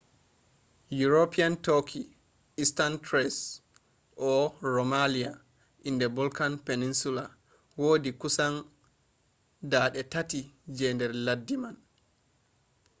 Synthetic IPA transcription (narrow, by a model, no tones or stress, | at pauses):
juɾopiantokʰi | ʔistantɾɛs | ʔɔɾomalia | ʔindɛbɔlkanpeninsula | woːdikusan | daːɗɛtatid͡ʒɛndɛɾladːiman